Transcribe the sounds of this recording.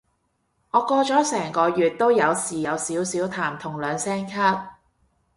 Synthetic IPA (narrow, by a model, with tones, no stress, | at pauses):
ŋɔː˨˧kɔː˧t͡ʃɔː˨˥sɛː˨˩ŋkɔː˨˧jyː˨t̚t̪o˥wjɐ˨˧wsiː˨˩jɐ˨˧wsiː˨˥wsiː˨˥wt̪ʰaː˨˩mt̪ʰʊ˨˩ŋlœː˨˧ŋsɛː˥ŋkʰaː˥t̚